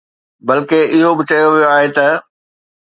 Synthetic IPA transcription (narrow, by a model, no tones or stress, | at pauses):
bɐlkeʔɪɦobɪt͡ɕɐjoʋijoaːɦet̪ɐ